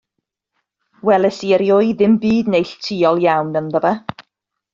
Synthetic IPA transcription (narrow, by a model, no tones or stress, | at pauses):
wɛlˠɛsiəɾjʊɨðɪmbiːdnejɬtʰiːɔlˠjawnənðəva